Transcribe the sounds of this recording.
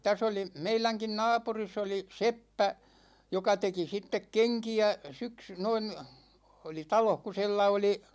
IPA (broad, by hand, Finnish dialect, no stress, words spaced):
tæs oli meilæŋkin nɑːpuris oli sepːæ jokɑ teki sitːek keŋkiæ syksy noin̞ oli tɑloh ku̞ si̞lːæ oli